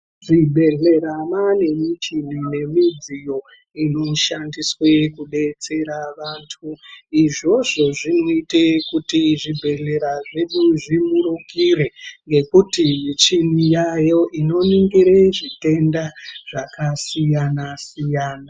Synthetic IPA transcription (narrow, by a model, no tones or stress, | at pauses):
ʐibʱe̞ɮe̞ɾamane̞mit͡ʃinine̞mid͡zijo̞ | ino̞ʃandiswe̞kuɗe̞t͡se̞ɾaʋaːntʰuiʐo̞ʐo̞ʐinoitekutiʐibʱe̞ɮe̞ɾaʐe̞ɗuʐimuɾuŋɡire̞ŋɡe̞kutimit͡ʃinijajo̞ʔino̞niŋɡiɾeʐite̞ndaʐ̥akasijanasijaːna